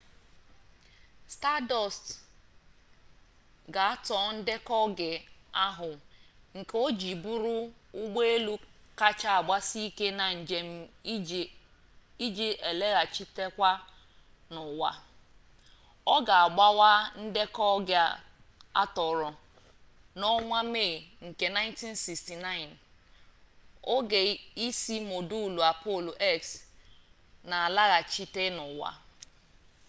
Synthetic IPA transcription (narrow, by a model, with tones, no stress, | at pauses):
sta˦dɔ˨st | ɡa˨a˦tɔ˨˦n̩˦dɪ˦kɔ˦ɡɪ˨a˦ɦʊ˨ŋ̩˨ko˦d͡ʒi˨bu˦ɾu˦ʊ˦ɡ͡be˦e˦lu˦ka˦t͡ʃa˦a˨ɡ͡ba˦si˦i˦ke˦na˨e˨˦m̩˦ | i˦d͡ʒi˦ʔe˨le˦ɣa˨t͡ʃi˦te˦kʷa˦ | nʊ˨wa̰˨ | ɔ˦ɡa˨a˨ɡ͡ba˦wa˦n̩˦de˦kɔ˦ɡɪ˦ | a̰˦tɔ˨ɾɔ˨ | nɔ˦ŋʷa˦me˦˨ɣi˨ŋ̩˨ke˨na˦ɪ˦nti˦n˦si˨ksti˨na˦ɪ˨n | o˦ɡe˨i˦si˦mo˨du˦˨lu˨a˨po˦˨lo˨ʔe˦ks | na˨a˨la˦ɣa˨t͡ʃi˦te˦nʊ˨wa̰˨